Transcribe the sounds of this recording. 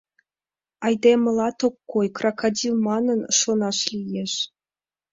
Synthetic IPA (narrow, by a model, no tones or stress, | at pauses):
ɑjd̪emɤ̆lˠɑt̪okːojkrɑkadʲilˠmɑnɤ̆nʂŏnɑʃlʲijeʂ